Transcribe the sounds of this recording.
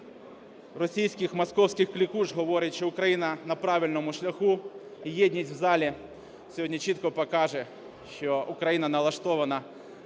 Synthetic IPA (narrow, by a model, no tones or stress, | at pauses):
rɔsʲijsʲkɪxmɐskɔwsʲkɪxklʲikuʒɦɔʋɔɾʲɪtʲʃt͡ʃɔʊkɾɐjinɐnɐpɾɑʋʲilʲnɔmʊʃlʲɐxuijɛdʲnʲitʲwzɑlʲi | sʲɔɦɔdʲnʲit͡ʃit̪kɔpɔkɑʒɛ | ʃt͡ʃɔʔʊkɾɐjinɐnɐlˠɐʃt̪ɔʋɐnɐ